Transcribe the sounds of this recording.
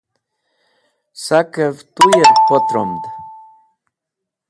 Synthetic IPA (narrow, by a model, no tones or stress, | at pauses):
sakəvt̪ujɛpɔt̪ɾomd̪